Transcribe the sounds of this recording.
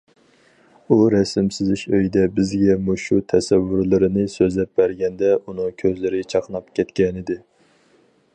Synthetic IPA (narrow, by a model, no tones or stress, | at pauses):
uɾɛsɪmsɪzɪʃøjd̪ɛbɪzɡʲɛmuʃut̪ʰɛsɛvːɨɾlˠɨɾɨnɨsøzlɛp̚bæɾɡʲɛnd̪ɛunɨŋkʲʰøzlɪɾɪt͡ʃʰɑqnɑp̚kʲʰɛt̪kʲɛnɪd̪ɪ